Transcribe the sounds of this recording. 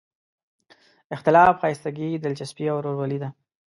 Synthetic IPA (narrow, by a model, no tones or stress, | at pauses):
ɪxt̪ɪlɑfxɑjɪst̪aɡid̪ɪlt͡ʃaspiawɾoɾwalid̪a